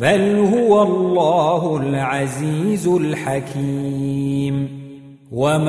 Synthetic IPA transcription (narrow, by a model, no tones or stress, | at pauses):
balhʊwalˤːaːɦʊlʕaziːzʊlħakʰiːm | wam